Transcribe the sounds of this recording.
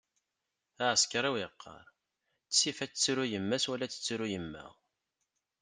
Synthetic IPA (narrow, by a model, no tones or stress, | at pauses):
æʕəskɾˤæwiqʰːɑ̰ɾˤ | t͡ssːifæt͡st͡sːɾujəmːæswælːæt͡sːə̥t͡sːɾujəmːæ̰ʁ